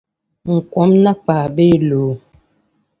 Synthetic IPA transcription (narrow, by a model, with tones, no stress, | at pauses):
ŋ̩˨kwɔ˨˦mna˦k͡paː˨be˦loː˨